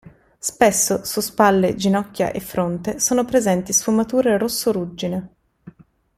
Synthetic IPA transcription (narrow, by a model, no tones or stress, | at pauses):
spesːosuspalːed͡ʒinɔkʲːja̰ʔefːɾont̪esoːnopɾezɛnt̪isfumat̪uːɾeɾosːoɾud͡ʒːine